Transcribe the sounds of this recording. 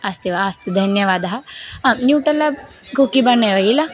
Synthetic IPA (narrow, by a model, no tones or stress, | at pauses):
ɐst̪iʋaɐst̪ud̪ʱɐnjɐʋaːd̪ɐɦɐɐnjuːʈɐlɐ | ɡukibɐnːeʋɐilɐ